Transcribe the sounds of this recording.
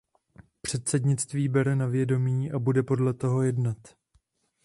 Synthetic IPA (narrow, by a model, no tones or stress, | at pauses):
pr̝̥ɛt̪sɛdɲɪt͡st̪viːbɛɾɛnavjɛdo̞miːʔabudɛpo̞dlɛt̪o̞ɦo̞jɛdnat̪